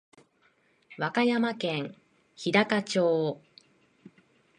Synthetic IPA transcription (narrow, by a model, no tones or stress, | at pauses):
βakajamakẽ̞ŋ | çid̪akat͡ɕoː